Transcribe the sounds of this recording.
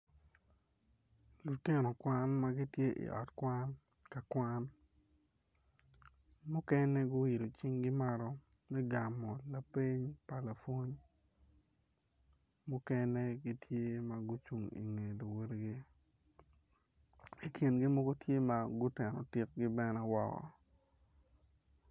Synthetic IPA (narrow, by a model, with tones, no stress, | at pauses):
lu˨tɪ˦nɔ˨kwa˦nma˦ɡi˦tje˦ʔḭ˨ʔɔ̰˨tkwa˦n | ka˨kwa˦n | mʊ˦kɛ˦nɛ˦ɡʊ˦i˨ɾo˨t͡ʃi˦ŋɡɪ˦ma˦ɾɔ˦ | mɛ˦ɡa˨mɔ˨la˨pi˦ɲpa˨la˨fwo˦ɲ | mʊ˦kɛ˦nɛ˦ɡi˦tʰje˦ma˨ɡʊ˦t͡ʃu˨ŋḭ˨ŋe˨lo˨we˦ɾɡi˦ | i˨ki˨nɡɪ˦mo˦ɡo˦tje˦ma˦ɡʊ˦tɛ˨nɔ̰˨ti˦k̚ɡɪ˦bɛ˦nɛ˦wɔ˦kɔ̰˨